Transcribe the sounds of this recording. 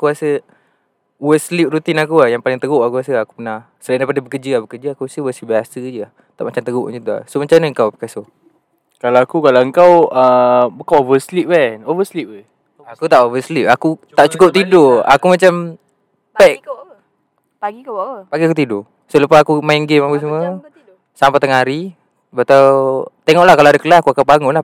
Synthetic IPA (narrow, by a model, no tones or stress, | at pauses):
akuasə | wəslip̚rut̪inak̬uahjaŋpalɪŋt̪əɡʊʔakuasəaku̥pənah | səlaindajpadabəkəd͡ʒəahbəkəd͡ʒəakuasəwəsliʔbiasəd͡ʒəah | t̪a̰ʔmat͡ʃamt̪əɡʊʔɲd͡ʒit̪ua̰somat͡ʃanəəŋkawpəkaso | kalawakukalawəŋkawəbəkaovəslip̚ɛnovəslip̚ə | akut̪aʔovəslip̚akut̪aʔt͡ʃukʊp̚t̪idoa̰kumat͡ʃam | pɛʔ | paikpaɡiakut̪ido | sələpasakumaiŋɡemapəs̬əmə | sampat̪əŋaɾi | bat̪at̪eŋɔʔlahkalawadakəlaakuakapaŋɔnlah